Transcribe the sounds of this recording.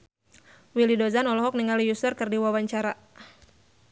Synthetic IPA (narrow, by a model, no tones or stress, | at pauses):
wilidɔzanɔlɔɦɔk̚niŋalijusərkɨrdiwawaɲt͡ʃaɾa